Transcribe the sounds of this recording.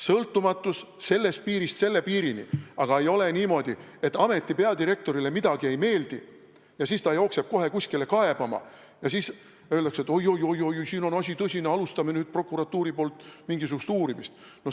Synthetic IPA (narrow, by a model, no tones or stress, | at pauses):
sɤlt̪ːumɑt̪ːˑus | se̞lːest̪̚piːɾist̪se̞lːe̞piːɾinḭɑɡ̥ɑe̞jo̞le̞niːmo̞d̪̥ie̞t̪ːˑɑme̞t̪ˑːipeɑd̪irɾe̞k̚t̪o̞ɾile̞mid̪̥ɑɡ̥ie̞jme̞ːld̪̥i | jɑsiːst̪ɑejo̞kseb̥̚ko̞ɦe̞kusʲkile̞kɑe̞b̥ɑmɑ̰ | jɑsiːs | ø̞ld̪ɑkset̪ːˑo̞jo̞jo̞jo̞jojsiːno̞nɑsʲit̪ɤsʲineɑlust̪ɑmenyːd̪̥̚pro̞kːuɾɑt̪ːuːɾipo̞ːlt̪ːˑmiŋɡisukust̪uːɾimist̪ | no